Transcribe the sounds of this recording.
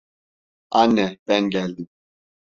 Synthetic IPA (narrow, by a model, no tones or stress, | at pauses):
anːɛb̥ɛnɟɛlʲd̪im